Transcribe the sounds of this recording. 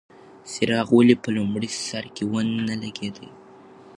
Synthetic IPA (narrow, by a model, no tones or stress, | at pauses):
sɪɾɑɣwəlipəlʊmɽisaɾkewənːalaɡed̪ə̰j